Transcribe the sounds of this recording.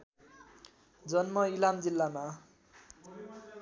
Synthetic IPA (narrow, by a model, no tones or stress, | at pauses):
d͡zʌnmʌilamd͡zilːama